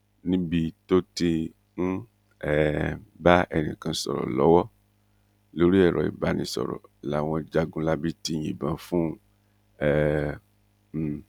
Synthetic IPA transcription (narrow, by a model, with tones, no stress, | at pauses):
nĩ˦bi˧to˦te˧ | n̩˦ | ɛ˨ba˦ɛ˨nḭ̃˨kã˧sɔ̰˨ɾɔ̰˨lɔ˨˦wɔ˦ | lo˦ɾi˦ɛ˨ɾɔ˨ḭ˨ba˨˦nĩ˧˦sɔ̰˨ɾɔ̰˨la˨w̃ɔ̃˧d͡ʒa˧ɡũ˦la˦bi˦ti˧ɲḭ̃˨bã˨fũ˦ | ɛ˦˨